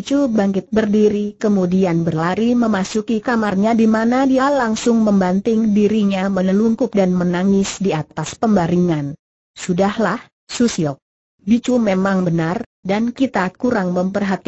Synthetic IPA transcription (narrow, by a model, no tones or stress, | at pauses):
it͡ʃubaŋkɪt̪̚bərdiɾikəmudianbərlaɾiməmasukikamarɲadimanadialaŋsʊŋməmbant̪ɪŋdiɾiɲamənəluŋkʊp̚danmənaŋɪsdiat̪aspəmbaɾiŋan | sudahlah | susiɔk̚ | bit͡ʃumemaŋbənardankit̪akuɾaŋməmpərɦat̪i